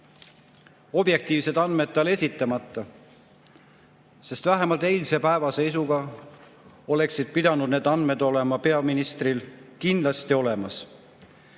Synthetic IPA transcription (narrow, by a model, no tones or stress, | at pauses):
o̞b̥je̞k̚t̪iːvse̞d̪̥ɑnme̞d̪̚t̪ːɑle̞sʲit̪ːˑɑmɑt̪ˑːɑ | se̞st̪væɦe̞mɑlt̪e̞jlʲse̞pæevɑse̞ijsuɡ̥ɑ | o̞le̞ksid̪̥̚pid̪ɑnud̪̥ne̞ːd̪ɑnd̪me̞d̪o̞le̞mɑpe̞ɑminist̪rilkind̪lɑst̪io̞le̞mɑs